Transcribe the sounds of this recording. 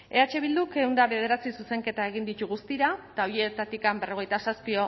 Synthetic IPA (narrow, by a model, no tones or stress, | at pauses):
e̞at͡ʃe̞β̞ild̪uke̞und̪aβe̞ð̞e̞ɾat͡sisuse̞ŋke̞t̪ae̞ɣind̪it̪uɣust̪iɾat̪aoɾie̞t̪at̪ikambe̞ro̞ɣ̞e̞jt̪asaspio̞